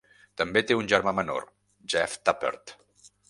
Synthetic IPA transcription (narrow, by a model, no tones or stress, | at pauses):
t̪əmbet̪eunʲʒəɾmaməno̰r | ʒɛft̪apə̰ɾt̪